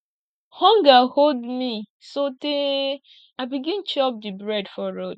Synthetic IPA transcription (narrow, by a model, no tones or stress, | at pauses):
hɔ̃ŋɡaholdmi | sote | abiɡĩnt͡ʃɔp̚dibɹɛdfɔɹod